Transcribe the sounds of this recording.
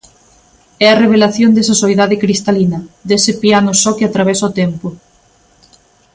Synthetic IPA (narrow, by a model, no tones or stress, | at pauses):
ɛɐreβ̞elaθjond̪esɐsoeðaðɪkɾist̪alinɐd̪esɪpianʊsɔkɪat̪ɾaβ̞ɛsaʊt̪ɛmpo